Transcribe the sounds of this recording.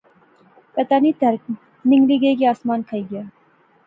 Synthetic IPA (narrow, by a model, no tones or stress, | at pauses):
pɐt̪aːnit̪ɐɾk | nɪ̃ŋɡliɡeɡiaːsmaːnkʰɐiɡjaː